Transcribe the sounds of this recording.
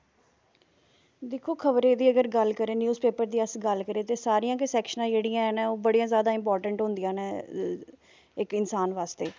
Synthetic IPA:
d̪ɪkʰːoːkʰəbɾeːd̪iːəɡəɾɡəlkəɾẽːnjuːzpeːpəɾd̪iːəsɡəlkəɾeːt̪eːsaːɾijãːkɪsɛːkʃənãːd͡ʒeːɽijãːɛnɛ̃ːoːbəɽijãːzjaːd̪aːɪmpɔːɾʈəɳʈɦʊ̃nd̪ɪjãːnɛː | ɪkɪnsaːnʋaːst̪eː

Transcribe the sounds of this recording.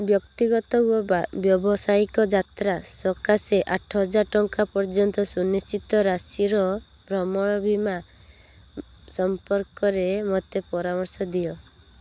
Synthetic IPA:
bjɔkt̪iɡɔt̪ɔuɔbabjɔbɔsaikɔd͡ʒat̪ɾasɔkaseʔaʈʰɔɦɔd͡ʒaɾʈɔŋkapɔɾd͡ʒɔnt̪ɔsunist͡ʃit̪ɔɾasiɾɔ | bɾɔmɔɽ̃ɔbʱima | sɔmpɔɾkɔɾemɔt̪epɔɾamɔɾsɔd̪ijɔ

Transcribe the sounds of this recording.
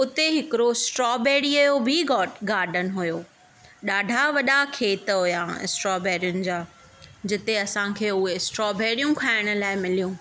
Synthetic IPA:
ʊt̪eɦɪkɪɾosʈɾɔːbɛːɽiɐjobʱiɡɔːʈɡaːɾɖənɦʊjoː | ɗaːɖʱaʋɐɗakʰeːt̪ɦʊjaɪ̰sʈɾɔːbɛːɾijʊnɪ̆d͡ʑaː | d͡ʑɪt̪eɐsãkʰeːʊɦesʈɾɔːbɛːɽijũkʰaːɪɽ̃ə̆laːɪmɪlijũː

